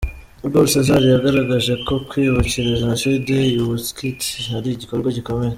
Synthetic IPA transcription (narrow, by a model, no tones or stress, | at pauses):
uɡoɾsezaɾijaɡaɾaɡaʒe̞kʰo̞kwiːβuciɾeʒanʃidejwuskithaɾiɟiko̞ɾɡwaɟiko̞meje